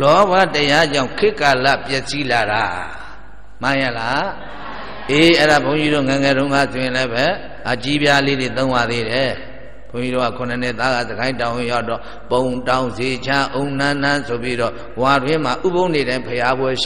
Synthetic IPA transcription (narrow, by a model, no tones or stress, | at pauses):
lɔbwatəjad͡ʑãʊ̃ŋkʰɪʔkːala̰pjɛʔsilaɾa | mãjɛla | ʔeʔɛɾapʰõʊ̃ɲd͡ʑiɾo̰ŋɛŋɛɾõʊ̃ŋɡa̰sujɪ̃lɛbɛ | ʔat͡ɕibjaledet̪õʊ̃bad̪eɾɛ | bõɲiɾoɣa̰kʰʊ̃nən̥ɪʔt̪aɣa̰zəɡãɪ̃ntãwɪ̃jaʊtːɔ | põʊ̃ntãʊ̃nzet͡ɕʰaʔõʊ̃n̥ãn̥ãsʰopjiɾɔ | wadwɪ̃m̥aʔubõʊ̃neɾãɪ̃mpʰəjabwɛ̥